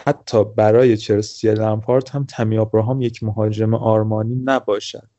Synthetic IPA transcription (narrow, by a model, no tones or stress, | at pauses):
hæt̪ʰːɒːbæɾɒːje̞t͡ʃʰeɾsielæmfɒːɾt̪hæmt̪ʰæmijɒːbɾɒːɦɒːmje̞cʰmoɦɒːd͡ʒe̞meʔɒːɾmɒːniːnæbɒːʃæ̰d̪